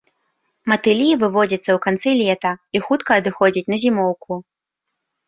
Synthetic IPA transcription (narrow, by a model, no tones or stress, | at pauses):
mɐt̪ɨlʲivɨvɔd͡zʲɐt̪sːɐwkant̪sɨlʲɛt̪ɐixut̪kɐːd̪ɨxɔd͡zʲit͡sʲnɐzʲimɔwku